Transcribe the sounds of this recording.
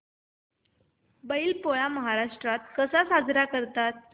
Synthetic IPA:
bəilpojaməɦaɾaʂʈɾat̪̚kəsasad͡zɾakəɾt̪at̪̚

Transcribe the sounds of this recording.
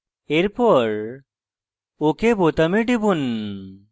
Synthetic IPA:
eɾpɔɾ | okebot̪ameɖibun

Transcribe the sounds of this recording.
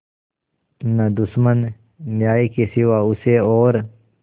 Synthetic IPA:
nɐd̪ʊsmənː | jaːikesɪʋaʊseɔːɾ

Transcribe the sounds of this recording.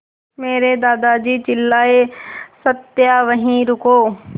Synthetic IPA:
meːɾed̪aːd̪ad͡ʒiːt͡ʃɪlːaːesət̪jaʋəɦĩɾʊkoː

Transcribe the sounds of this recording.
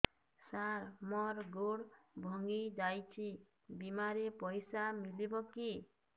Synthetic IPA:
saɾmɔɾɡoɽbʱɔŋɡid͡ʒajt͡ʃʰi | bimaɾepɔjsamilibɔki

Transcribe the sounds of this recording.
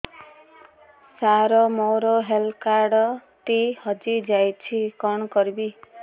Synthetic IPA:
saɾɔmowɾoɦelkaɾɖɔt̪ihɔd͡ʒid͡ʒajt͡ʃʰikɔnɔkɔɾibi

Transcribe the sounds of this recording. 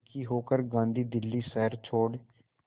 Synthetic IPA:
kiːɦoːkəɾɡãːnd̪iːd̪ɪlːiːsɛɦəɾt͡ʃʰoːɽ

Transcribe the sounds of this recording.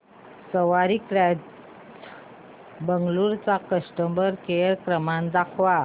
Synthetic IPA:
səʋaɾikɾa | bəŋɡluɾt͡sakəsʈəmbəɾkeɾkɾəmãnd̪akʰʋa

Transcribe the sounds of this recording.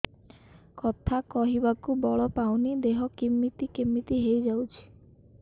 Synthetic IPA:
kɔt̪ʰakɔɦibakubɔɭɔpawnid̪eɦɔkimːit̪ikimːit̪iɦejd͡ʒawt͡ʃʰi̥

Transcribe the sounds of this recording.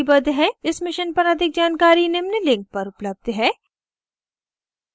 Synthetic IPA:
bɐd̪ɦɛɪsmɪʃənpɐɾɐd̪ʱɪk̚d͡ʒaːnkaːɾinemnelɪ̃ŋk̚pɐɾʊpləb̚d̪ɦɛː

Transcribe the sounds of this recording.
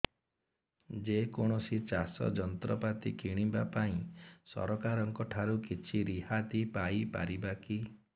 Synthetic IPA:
d͡ʒekoɽ̃ɔsit͡ʃasɔ̰d͡ʒɔnt̪ɾɔpat̪ikiɽ̃ibapaĩsɔ̰ɾɔkaɾɔŋkɔʈʰaɾukit͡ʃʰiɾiɦat̪ipajpa̰ɾibaki

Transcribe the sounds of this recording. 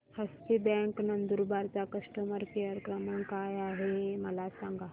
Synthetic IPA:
həst̪ibɛ̃ŋknənd̪uɾbaɾt͡sakəsʈəməɾkeəɾkɾəməɳkajaɦeməlasãŋɡa

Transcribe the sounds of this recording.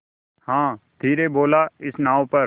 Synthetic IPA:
hãːd̪ʱiːɾeboːlaɪsnãːõpɐɾ

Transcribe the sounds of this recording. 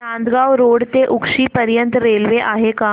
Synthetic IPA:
ãnd̪ɡaʋɾoːɽt̪eʔukʂiːpəɾjənt̪ɾelʋeʔaɦeka

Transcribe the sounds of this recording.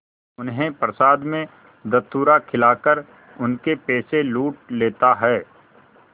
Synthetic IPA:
ʊnɦẽpɾəsaːd̪mẽ | d̪ɐt̪uːɾakʰɪlaːkəɾ | ʊnkepeːseluːʈ̚leːt̪aɦɛː

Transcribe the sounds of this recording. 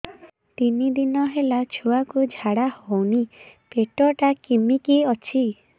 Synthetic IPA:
t̪inid̪inɔɦelat͡ʃʰuakud͡ʒʱaɽahɔwnipeʈɔʈakimikiɔt͡ʃʰi

